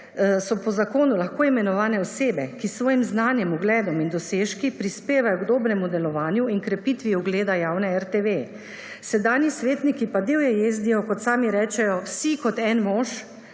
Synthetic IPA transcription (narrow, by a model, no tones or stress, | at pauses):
sɔpɔzakoːnulaxkoːimɛnɔʋaːnɛɔseːbɛkisːʋɔːjimznaːnjɛmuɡlɛːd̪ɔmind̪ɔseːʃkipɾispeːʋajɔɡd̪oːbɾɛmud̪ɛlɔʋaːnjuinkɾɛpit̪ʋiɔɡleːd̪ajaːwnɛɛɾt̪eʋe | sɛd̪aːnjisʋeːt̪nikipad̪eːwjɛjezd̪ijɔkɔt̪saːmiɾɛːt͡ʃɛjɔwsikɔt̪ɛnmɔʃ